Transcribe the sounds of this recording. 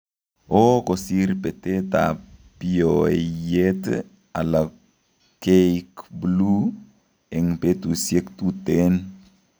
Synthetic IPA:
okosiɾpeteta̰piojet | ala | kekblu | eŋpet̪usjekt̪uten

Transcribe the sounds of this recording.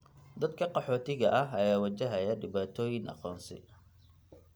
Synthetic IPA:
d̪ɐd̪kʰɐqɑħɔːt̪ʰɪɣɐʔɐɦɐjaːwɐt͡ʃɐɦɐjɐɖɪβaːt̪ʰɔːjɪŋʔɑ̰qɔːnsɪ̰

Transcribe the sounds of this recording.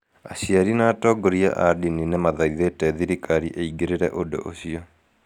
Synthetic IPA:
asiaɾinaːtɔɡoɾia̰ʔa̰dininɛmaðaɾiðetɛðiɾikʰaɾiʔeiɡeɾeɾɛ̰ʔodo̰ʔo̰siɔ

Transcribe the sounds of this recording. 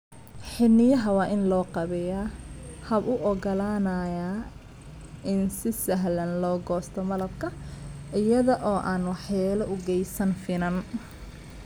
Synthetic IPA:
ħɪnɪjɐɦɐwɑːʔɪnlɔːqɑβɛjahɐbʊʔɔɡɐlaːnɐːja | ʔɪnsɪsɐɦlɐnlɔːɡɔːst̪ʰɔmɐlɐbkʰɐʔɪjɐðɔʔɔːʔaːnwɑħjaːlɐʔʊɡɛjsɐnfɪnɐn

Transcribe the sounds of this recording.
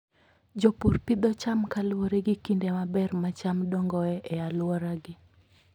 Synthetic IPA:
d͡ʒɔpurpɪd̪ɔt͡ʃamkalwoɾeɡɪkindemabɛrmat͡ʃamdɔŋɡɔɛʔɛalwɔɾaɡɪ

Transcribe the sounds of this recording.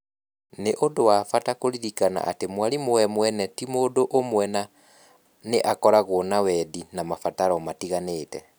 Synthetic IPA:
neʔodowafatakoɾiɾikana̰ʔatemwaɾimoɛmwɛnɛtimodoʔomwɛna | neʔakɔɾaɣwonawɛdinamafataɾɔmatiɣaneːtɛ

